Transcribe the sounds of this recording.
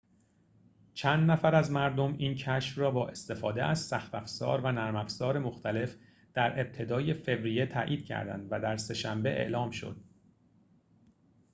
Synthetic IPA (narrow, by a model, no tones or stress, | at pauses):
t͡ʃʰænd̪næfæɾæzmæɾd̪o̞miːncʰæʃfrɒːbɒːʔe̞st̪e̞fɒːd̪eʔæz̥sæxt̪æfz̥ɒ̰ːɾvænæɾmæfz̥ɒːɾe̞mo̞xt̪ʰæle̞f | d̪̥æɾʔeb̚t̪ʰe̞d̪ɒːje̞fe̞vɾije̞t̪ʰæ̰ːʔiːd̪̥̚cʰæ̰ɾd̪æ̰nd̪væd̪æɾse̞ʃæmbe̞ʔe̞̰ʔlɒːmʃo̞̰d̪̥̚